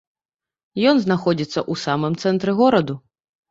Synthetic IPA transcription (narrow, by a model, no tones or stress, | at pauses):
jɔnznaxɔd͡zʲit̪sːɐʔusamɨmt̪sɛnt̪ɾɛɣɔɾɐd̪u